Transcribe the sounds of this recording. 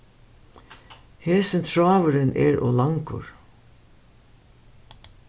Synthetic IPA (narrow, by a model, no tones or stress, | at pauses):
heːsənt̪ʰɹɑːʋəɾənʔḛːɹo̰ːlɑŋkʊ̰ɹ